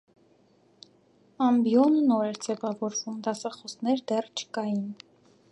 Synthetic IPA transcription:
ɑmbjɔnnɔɾɛɾd͡zɛvɑvɔɾvumd̪ɑsɑχɔsnɛɾd̪ɛrt͡ʃʰə̥kɑjin

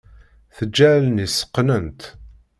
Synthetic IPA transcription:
θəd͡ʒːælənisə̥qːnənt̪

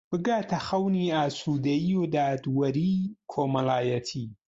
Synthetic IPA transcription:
b̥ɨɡaːt̪ʰɐxɐwniːaːsuːd̪ɐjiod̪aːd̪wɐɾiːkʰoːmɐlaːjɐt̪ʰiː

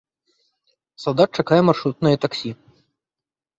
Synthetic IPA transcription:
salˠd̪at̪̚t͡ʂakajɛmarʂɾut̪̚nɨjɐt̪aksʲi

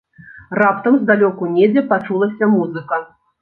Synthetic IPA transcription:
rapt̪ɐmzd̪alʲɔkunʲed͡zʲɛpat͡ʂulˠɐsʲɐmuzɨkɐ

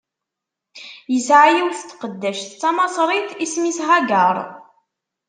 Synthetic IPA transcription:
jəsʕajiwθt̪ːqəd̪ːæʃθt͡sːɑmɑsˤɾˤiθismisʁaɡəɾˤ

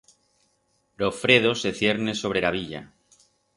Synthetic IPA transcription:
lo̞fɾe̞ð̞o̞se̞θje̞ɾne̞so̞β̞ɾelaβiʎa̰

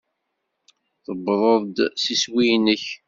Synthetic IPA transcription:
θəbɾˤəðˤd̪siswijnəç

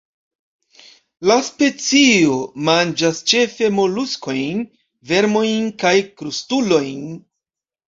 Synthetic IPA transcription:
laspe̞t͡sio̞mand͡ʒast͡ʃe̞fe̞mo̞lusko̞jn | ve̞ɾmo̞jnkajkɾustulo̞jn

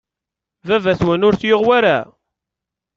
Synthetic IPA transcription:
vævæθwænʊɾθjoʁwæɾa

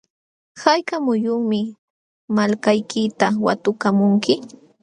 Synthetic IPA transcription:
hajkamʊjʊχmɪ | malkajkɪt̪awa̰t̪ʊkamʊŋkɪ

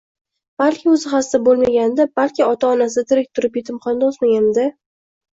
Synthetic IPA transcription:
b̥alkʲɪɵzɪχasd̪abolˠmaɡʲand̪abalkʲɪɒt̪ʰaɒnasɪat̪ʰɪɾɪk̚ʲt̪ʰʊɾɪpje̞t̪ʰɪmqɒnd̪ɒsmaɡʲand̪ɪ

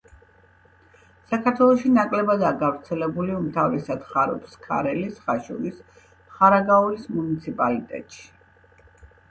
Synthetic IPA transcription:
sakʰaɾt̪ʰwɛlˠɔʃinakʼlɛbad̪aːɡavɾt̪sʰɛlɛbuliumt̪ʰavisad̪χaɾɔ̰pskʰa̰ɾɛlisχaʃṵlis | χaɾaɡauɾismunit̪sʰipʼalit̪ʼɛ̰t̪ʼʃi̥

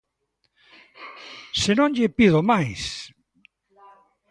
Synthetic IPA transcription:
senõŋʎɪpiðomajs

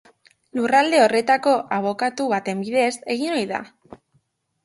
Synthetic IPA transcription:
lurald̪e̞o̞re̞t̪ako̞ʔaβ̞o̞kat̪uβat̪e̞mbiðese̞ɣ̞ino̞jða̰

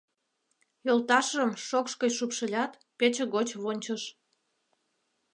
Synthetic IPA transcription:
jolt̪ɑʃəmʃokʃkəjʃupʃə̆lʲɑt̪ | pet͡ɕeɣot͡ɕβonʲt͡ɕəʃ

